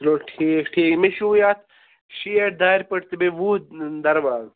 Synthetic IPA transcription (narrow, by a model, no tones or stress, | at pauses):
loːʈʰiːkʈʰiːkmeʃujaːt̪ | ʃijɐɾd̪aːɾʲpɐʈt̪ibeʋud̪ɐɾʋaːz